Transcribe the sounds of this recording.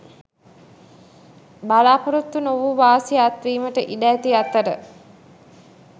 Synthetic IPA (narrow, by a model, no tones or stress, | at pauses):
balaːpoɾut̪ːunoʋuʋaːsiat̪ʋiːməʈəʔiɖæːt̪iat̪ːəɾə